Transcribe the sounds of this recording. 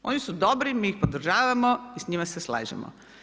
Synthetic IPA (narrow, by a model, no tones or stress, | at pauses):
o̞nisud̪obɾimiːixpod̪r̩ʒaːʋamoisɲimasesla̰ːd͡ʑḛmo̰